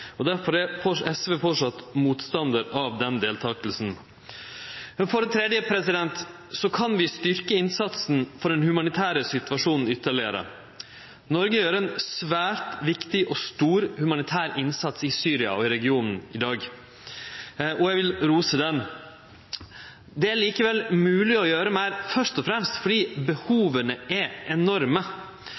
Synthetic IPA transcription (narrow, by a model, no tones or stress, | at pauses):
ɔd̪æɾfɔɾæfɔɛsʋeːfɔʂɑt̪ːmuːt̪st̪ɑnd̪əɾɑʋd̪ɛnd̪eːlt̪ʰɑːklsn̩ | mɛnfɔɾənt̪ʰɾɛd̪jəpʰɾɛsɪd̪ɛnt̪ | sɔkʰɑnʋɪst̪ʏɾkəɪnsɑt̪snfɔɖɛnhʉmɑnɪt̪ʰæːɾəsɪt̪ʉʋɑʂuːnn̩ʏt̪ːəɭɪəɾə̰ | nɔɾɡəjøːɾəɛnsʋæːɾt̪ʋɪkt̪ɪʔɔst̪uːɾhʉmɑnɪt̪ʰæːɾɪnsɑt̪sɪsyːɾɪɑ̰ɔɪɾɛɡɪuːnn̩ɪd̪ɑːɡ | ʔɔjæʋɪlɾuːsəd̪ɛn | d̪ɛæɭiːkəʋɛlmʉːlɪɔjøːɾəmæːɾfœʂt̪ɔfɾɛmst̪fɔɖiːbəhuːʋənəɛʔɛnɔɾmə